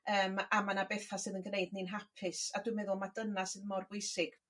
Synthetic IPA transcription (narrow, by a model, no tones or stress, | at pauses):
əːmamanabeθasɨːðənɡnejdninɦapʰɪsaduɨmɛðʊlˠmad̥ənasɨðmɔrɡweɨsɪɡ̥